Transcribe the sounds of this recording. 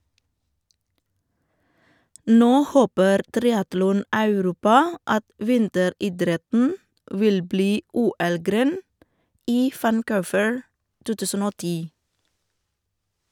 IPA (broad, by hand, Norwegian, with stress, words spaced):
ˈnoː ˈhoːpəɾ ˈtɾɪɑtlɔˌnɑʉˌɾuːpɑ ˈɑt ˈʋɪntəˌɾiːˌdɾɛtn̩ ˈʋɪl ˈbliː ˈuːˌɛlˌɡɾeːn ˈiː ʋænˈkʊːʋəɹ ˈtuː ˈtʉːsən ˈoː ˈtiː